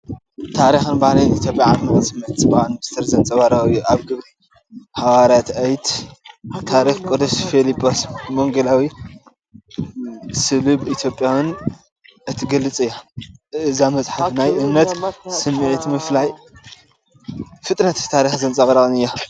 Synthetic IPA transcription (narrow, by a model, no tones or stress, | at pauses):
t̪ʰaɾixɨnbahlinit̪jo̞pʼjaʕaɐkʼsɨmɨʕt̪sbaanmɨst̪ʰɐɾzɐnt͡sʼɐβaɾawɨjːuʔaβɡɨβɾi | hawaɾat̪ɐjt̪ | t̪ʰaɾixkʼod̪ɐsfelipʰʼosmoŋɡɐlawi | sɨlubit̪ʰjo̞pʼjawɨn | ʔɨt̪ʰiɡɐlːɨt͡sʼɨjːoɨzamɐt͡sʼħafnajʔɨmnɐt̪sɨmːɨʕit̪mɨflaj | fɨt̪ʼnɐt̪t̪ʰːaɾixzɐnt͡sʼɐβɾɐɣʼɨnɨjːa